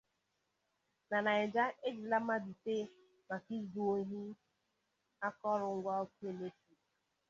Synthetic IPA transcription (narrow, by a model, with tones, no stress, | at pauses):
na˨na˨ɪ˨d͡ʒa˦e˦d͡ʒi˨la˦m˦a˦di˨te˦ | ma˨ki˦zu˨o˦ɦi˦ | a˦kɔ˦ɾʊ˨ŋ̩˦ɡʷa˦o˦ku˦e˦˨me˦ti˨